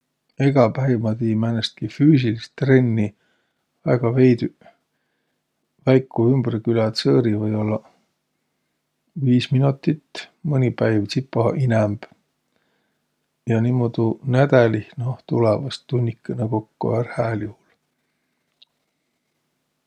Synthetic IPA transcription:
e̞ɡ̥ɑpæivmɑt̪iːmænest̪̚kifyːs̬ilist̪ːre̞nʲːi | væɡ̥ɑvejd̪ | væjkːˑuymb̥rkylɑt̪sɤːɾivɤjo̞lːɑ | viːsminut̪ːˑit̪ːmɤnʲipæjvt͡ssipːˑɑʔinɛmb̥ | jɑniːmːod̪unæd̪̥ælihnot̪ulevɑst̪ːunʲːikːˑeneko̞kːo̰ærhæːluhul

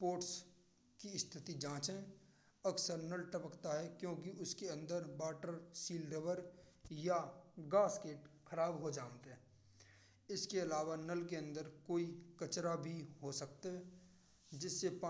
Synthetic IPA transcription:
poːɾʈs | kiɪst̪ʰɪt̪id͡ʒãːt͡ʃɦɛ̃ | əksəɾnəlʈəpəkt̪aɦɛkjõːkiʔʊskeə̃nd̪əɾbaːʈəɾsiːlɖeʋəɾjaɡaːskeːʈkʰɐɾaːbɦod͡ʒaːnt̪ɦɛ̃ː | ɪskeɐlaːʋanəlkeə̃nd̪əɾkoːikət͡ʃɾabʱiɦosək̚t̪eɦɛ | d͡ʒɪsːepa

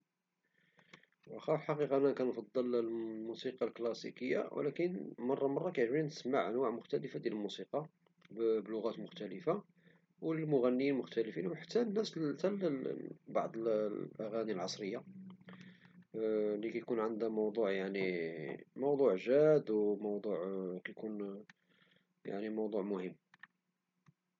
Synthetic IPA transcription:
wæxæfħɑqiqɑʔnækænfɑd̪ˤːəlmusiqɑlklɑsikəjːa̰w̰lækənmɑrˤːɑmɑrˤːɑkæjʕʒbinəsmaʕʔənwaʕmʊxt̪æləfad̪jælmusiqɑ | bblʊɣæt̪mʊxt̪æləfa | wləlmʊɣænːijilmʊxt̪æləfinwħḁt̪ːænːæst̪æl | bɑʕd̪ˤəlʔæɣænilʕɑsˤɾəjːa | likæjkunʕənd̪æmɑwd̪ˤuʕjaʕni | mɑwd̪ˤuʕʒæd̪wmɑwd̪ˤuʕkæjkun | ja̰ʕnimɑwd̪ˤuʕmʊhəmː

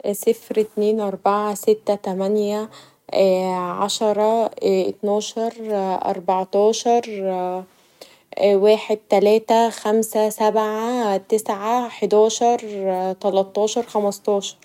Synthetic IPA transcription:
sɪfɾt̪neːnʔɑɾˤbaʕasɪt̪ːæt̪æmænjæ | ʕaʃɑɾˤɑʔɪt̪nɑːʃɑɾˤʔɑ̰ɾˤbɑʕt̪ɑːʃɑɾˤ | weːħed̪̚t̪ælæːt̪æxæmsæsæbʕat̪ɪsʕaħed̪æːʃɑɾˤt̪ælɑt̪ˤːɑːʃɑɾˤxæmɑst̪ɑːʃɑ̥ɾˤ

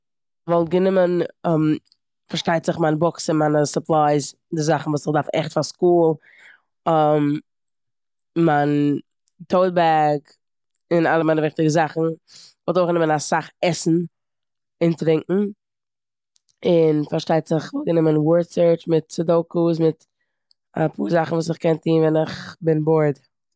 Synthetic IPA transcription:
vɔlˠt̚ɡənɪmənɔm | faɾʃtaɪtz̥ɪχmaːnbʊksɪnmaːnəsʊplˠaɪz | dɪzaχn̩vuːsɪχdaɾfɛ̰χtfaskuːlˠ | ɔm | maɪn | tʰoʊdbaɡ | ɪnalˠəmaɪnəvɪχtɪɡəzaχn̩vɔltoɪχɡənɪmənasaχɛsn̩ | ɪntɾɪŋkŋ̩ | ɪnfaɾʃtaɪtz̥ɪχvɔlˠɡənɪmənwɔɹtsəɹt͡ʃmɪtsɪdoʊkus̬mɪt | apʰṵːɾzaχn̩vuːs̬ɪχkɛntiːnvɛnɪχbɪnbɔɾd

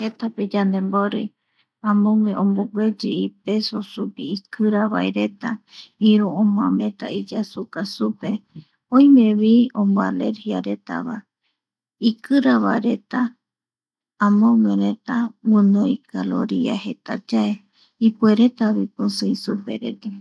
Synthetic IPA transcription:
he̞t̪aped͡ʒand̪e̞mboɾḭ | ãmõŋẽʔõmboɡʷed͡ʒiipe̞sosupiikʰɨɾaβa̰eɾe̞t̪aĩɾuõmõãmẽ̞t̪a̰id͡ʒasukasupe̞ | õĩmẽβiõmbalḛɾhiaɾe̞t̪a̰βa̰ | ikɨɾaβaeɾe̞t̪a | mõŋeɾet̪awɨ̃noikʰalo̰ɾia̰he̞t̪ad͡ʒae | ipueɾet̪aβipɨ̃sɨisupḛɾḛt̪a

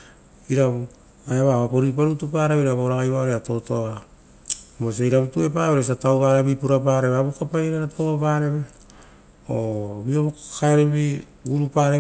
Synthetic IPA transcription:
iɾaβ | ajaβaβapo̞ɾip̬aɾutupaɾaβɾaβoɾaɡajβaoɾeato̞to̞a | mosejɾaβutue̞paβeɾesatawɡaɾaβipuɾapaɾe̞βeaβukapajeɾaɾatʰoɡapaɾe̞βe | obioβkaeɾeβi | ɡuɾupaɾe

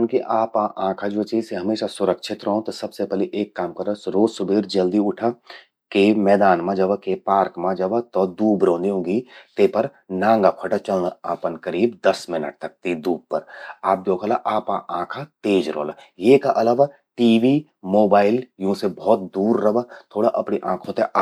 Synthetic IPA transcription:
nkiʔaːpaʔãːkʰad͡ʒoːt͡ʃiːzseɦɐmeːʃasʊɾəkʃʰɪt̪ɾoɦõt̪ɔsɐbsepɛleʔeːkːaːmkɐɾəsɾoːsʊbʱeːɾd͡ʒɐld̪iʊʈʰa | kemɛːd̪aːnmãd͡ʒɐbkepaːɾkmãd͡ʒɐbt̪ɔd̪uːbɾõːnd̪iɦõːɡit̪epɐɾ | nãːŋɡapʰɐʈat͡ʃɐlaːpənkɐɾiːbd̪ɐsmɪnə̰ʈ̚t̪ɐk̚t̪id̪uːb̚pɐɾaːp̚d͡ʒ̪oːkəlaʔaːpaʔãːkʰat̪eːd͡ʒɾo̰ːlajeːkaʔɐlaʋa | ʈiːʋi | moːbaːɪljɐɦũsebɔːt̪̚d̪uːɾːɐʋət̪ʰoːɽaʔɐpɽiʔãːkʰõt̪eʔa

